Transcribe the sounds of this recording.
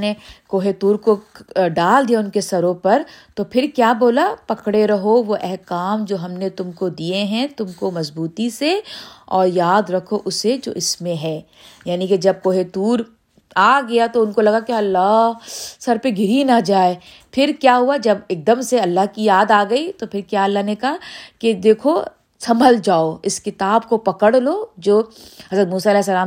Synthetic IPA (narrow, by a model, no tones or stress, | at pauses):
nekoːɦet̪uːɾkoɖaːld̪ijaʊnkesɐɾõpɐɾt̪opʰɪɾkjaːboːlapɐkɽeɾɐɦoʋoʔɛɦkaːmd͡ʒoːɦɐmnet̪ʊmkod̪ijeɦɛ̃t̪ʊmkomɐzbuːt̪iseɔːɾjaːd̪ɾɐkʰoʔʊsed͡ʒo̰ːʔɪsmẽɦɛː | jaːniked͡ʒɐb̚koːɦet̪uːɾ | aːɡɐjat̪oʊnkolɐɡakeɐlːaːɦsɐɾpeɡʱɪɾinad͡ʒaːe | pʰɪɾkjaːɦuad͡ʒɐbeːk̚d̪əmseɐlːaɦkijaːd̪aːɡɐit̪opʰɪɾkjaːɐlːaɦnekɐɦaked̪eːkʰo | sɐməld͡ʒaːoɪskɪt̪aːbkopɐkəɽloːd͡ʒoːɦɐzɾət̪muːsaɐlɛːɦs̬ːɐlaː